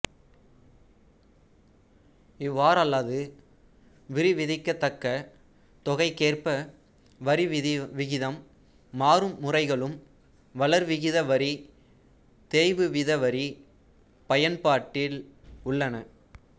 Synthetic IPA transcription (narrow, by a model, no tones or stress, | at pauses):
ɪʋːaːɾɐlːaːðɯ | ʋɪɾiʋɪðɪkːɐt̪ːɐkːɐ | t̪ɔɣɐɪkːeːrpɐ | ʋɐɾiʋɪɣɪðɐmː | aːɾɯmːʊrɐɪɣɐɭɯm | ʋɐɭɐɾʋɪɣɪðɐʋɐɾi | t̪eːjʋɯʋɪðɐʋɐɾi | pɐjɐnpaːʈːɪlʊɭːɐnɐ